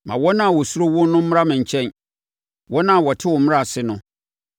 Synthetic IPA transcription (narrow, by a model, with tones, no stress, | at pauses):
mã˨wɔ˦nã˦˨wɔ˨su˦ɾo˦wʊ˦n˦nʊ̃˦m̩˦m˦a˦mɪ̃˨ɲ̩˨t͡ɕʰɛ̃˦n | wɔ˦nã˦˨wɔ˨tʰɪ˦wɔ˨˦mɪ̃˦ɾa˨sɪ˦nʊ̃˦